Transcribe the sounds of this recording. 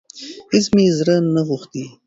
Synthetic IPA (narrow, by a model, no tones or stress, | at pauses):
hɪsmizɾənaɣuxt̪i